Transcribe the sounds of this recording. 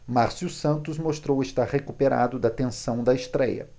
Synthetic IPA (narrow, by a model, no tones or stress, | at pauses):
maɾsiusɐ̃nt̪ʊzmoʃt̪ɾowest̪aɾhekupeɾa̰d̪ʊd̪ɐt̪ẽsɐ̃w̃d̪ɐɪst̪ɾɛjɐ̰